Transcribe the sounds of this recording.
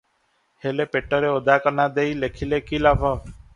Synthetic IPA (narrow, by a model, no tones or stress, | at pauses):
heːleːpeːʈːəɾeːod̪aːkəɾnaːd̪eːiːleːkʰiːleːkiːlaːpəː